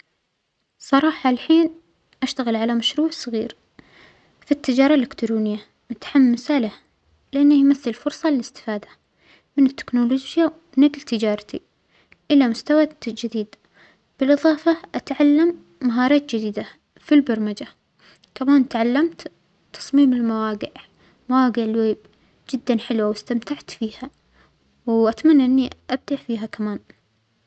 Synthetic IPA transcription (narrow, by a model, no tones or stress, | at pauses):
sˤɑɾˤɑːħɑlħiːn | ʔaʃt̪aɣɪlʕalamaʃɾuːʕsˤɨɣiːɾ | fit̪ːɪd͡ʒɑːɾˤɑlːɪkt̪ɾuːnɪjːa | mʊt̪ħamːɪsalah | lɪʔanːajmaθːɪlfʊɾsˤɑlɪlɪst̪ɪ̥faːd̪ḁ | mɪnɪt̪ːɪ̥knoloːd͡ʒja | ɪnɪɡlt̪ɪd͡ʒɑːɾˤt̪i | ʔɪlamʊst̪awad͡ʒɪd̪iːd̪ | b̥ɪlʔɨðˤɑːfɑʔat̪ʕalːamː | aɦɑːɾˤɑːt̪̚d͡ʒɪd̪iːd̪a | filbɑɾˤmad͡ʒa | kamaːnt̪ʕalːamt̪ | t̪ɑ̥sˤmiːmɪlmawaːɡɪʕ | mawaːɡɪʕlweːb | d͡ʒɪd̪ːanħɪlwawɪst̪amt̪aʕt̪fiːha | wʔat̪manːaʔɪnːiʔab̚d̪aʔfiːɦakamaːn